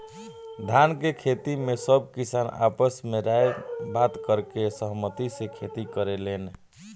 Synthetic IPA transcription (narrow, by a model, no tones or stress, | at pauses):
d̪ʱankekʰet̪imesəb̚ʱkisana̰pəsmeɾajbat̪kəɾkesəɦmət̪isẽkʰet̪ikəɾelen